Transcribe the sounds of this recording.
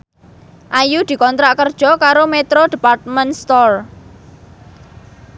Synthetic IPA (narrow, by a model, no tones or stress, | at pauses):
ʔajud̪̥i̤kɔnt̪ɾaʔkərd̥ʒ̥ɔ̤kaɾomet̪ɾod̪̥e̤part̪̚mɛnst̪ɔr